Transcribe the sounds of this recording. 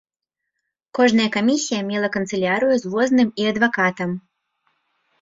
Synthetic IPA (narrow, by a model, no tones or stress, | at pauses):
kɔʐnɐjɐkamʲisʲijɐmʲɛlˠɐkɐnt̪sɨlʲaɾɨjuzvɔznɨmiɐd̪vakat̪ɐm